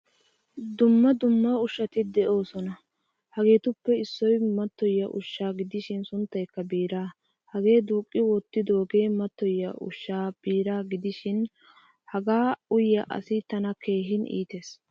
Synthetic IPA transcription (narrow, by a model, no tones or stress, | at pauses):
d̪ʊmːɐd̪ʊmːɐʊʃɐt̪ɪd̪ɛʔo̞ːsɔnɐ | hɐɡe̞ːt̪ʊpːɛɪsːɔjmɐt̪ːɔjːɐʔʊ̰ʃːaːɡɪd̪ɪʃɪnsʊnt̪ːɐjkːɐbiːɾaː | hɐɡe̞ːd̪uːkʼːɪwɔt̪ːɪd̪oːɡe̞ːmɐt̪ːɔjːɐʔʊ̰ʃːaːb̥iːɾaːɡɪd̪ɪʃɪn | hɐɡaːʊjːɐʔɐ̰sɪt̪ɐnɐkʰe̞ːɦɪnḭːt̪e̞ːs